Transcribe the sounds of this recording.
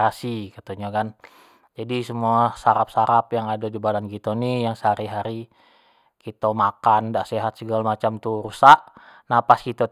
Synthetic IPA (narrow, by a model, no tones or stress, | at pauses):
asikət̪oɲakan | d͡ʒadisəmuasaɾap̚saɾapjaŋadadibadankit̪onijaŋsəɦaɾiɦaɾi | kit̪omakandaʔseɦat̪səɡalamat͡ʃamt̪uɾusaʔnapaskit̪o